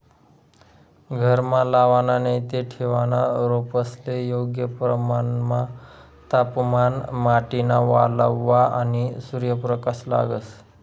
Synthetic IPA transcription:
ɡʱəɾmalaʋananejt̪eʈʰeʋanaɾopəslejoɡjəpɾəmanma | t̪apmanmaʈinaʋaləʋːaanisuɾjəpɾəkasla̰ɡəs

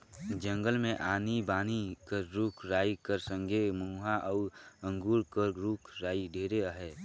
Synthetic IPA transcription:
d͡ʒə̃ŋɡəlmẽʔaːnibaːnikəɾɾukʰɾaːikəɾsə̃ŋɡʱemuːɦaʔɔːə̃ŋɡuːɾkəɾɾuːkʰɾaːiɖʱeːɾeəɦɛ

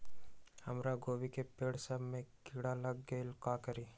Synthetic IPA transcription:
həmɾaɡoːʋikepeːɽsəbmẽkɪɽaləɡɡeɪlkakəɾiː

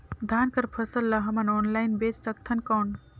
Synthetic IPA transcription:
d̪ʱankəɾpʰəsəlːəɦəmənonlajnbessək̚t̪ʰənkɔːn

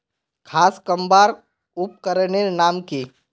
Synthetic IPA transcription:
kʰaːskəmbaːɾ | ʊp̚kəɾneɾnaːmkiː

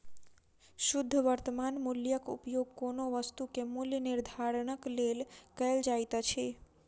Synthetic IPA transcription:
ʃʊd̪ʱːəʋəɾt̪əmanmuljəkṵpjoɡ̚konoʋəst̪ukemuljəniɾd̪ʱaɾɳəklelkəeld͡ʒajt̪at͡ʃʰe

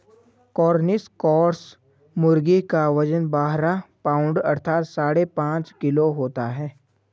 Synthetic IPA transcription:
kɔːɾnɪskɔːɾs | mʊɾɡikaʋəd͡ʒənbaːɦɾapaːʊ̃ɳɖɐ̰ɾt̪ʰaːt̪saːɽepãːt͡ʃkɪloɦoːt̪aɦɛː

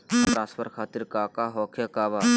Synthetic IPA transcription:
pɾãːspʰəɾkʰaːt̪iɾkaːkaɦɔːkʰjakaːʋaː

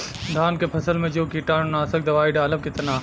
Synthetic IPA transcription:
d̪ʱaːnkepʰɐsəlmẽd͡ʒoːkiʈaːnonaːsək̚d̪ɐʋaːiɖaːləb̚kɪt̪naː

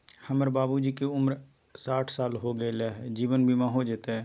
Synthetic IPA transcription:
həməɾbaːbud͡ʒiːkeʊmɾ | saːʈʰsaːlɦoːɡelaːɦɛd͡ʒiːʋənbʱiːmãːɦoːd͡ʒɪt̪eɛː

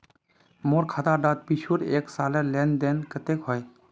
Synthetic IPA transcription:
moɾkʰat̪aɖat̪̚pit͡ʃʰuɾeksaːlelend̪enkət̪ekɦoj

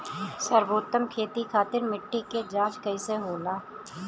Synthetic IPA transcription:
səɾʋoːt̪əmkʰeːt̪ikʰaːt̪ɪɾmɪʈːiked͡ʒaːd͡ʒkɐiseɦoːlaː

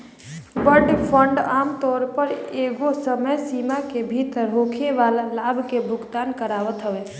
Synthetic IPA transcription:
bəɾɖpʰəɳɖamt̪ɔɾpəɾeɡosəməjsimakebʱit̪ɾokʰeʋalalabʱkebʱʊɡt̪ankəɾaʋət̪ɦəʋe

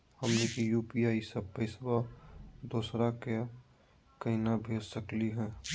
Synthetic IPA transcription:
hɐmnekijuːpiaːisɐbpəɪswad̪oːsɾake | kɐɦinabʱeːd͡ʒsəkliɦɛ̃ː

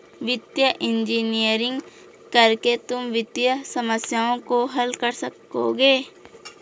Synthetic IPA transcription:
ʋɪt̪jəʔɪ̃nd͡ʒiːnijəɾɪ̃ŋɡ | kɐɾket̪ʊmʋɪt̪jəsɐməsjaõkoɦɐlkɐɾsɐkː | o̰ɡeː

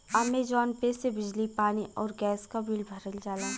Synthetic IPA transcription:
amed͡ʒɔːnpesebɪd͡ʒlipaːniʔɔːɾɡɛːskabilbʱɐɾəld͡ʒaːlaː

